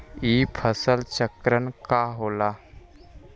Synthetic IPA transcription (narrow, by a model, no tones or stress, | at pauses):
iːpʰəsəlt͡ʃəkɾənkaɦoːla